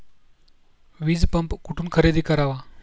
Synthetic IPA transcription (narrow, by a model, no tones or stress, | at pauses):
ʋiːd͡zpəmpkuʈʰuːnkʰəɾed̪ikaɾaʋa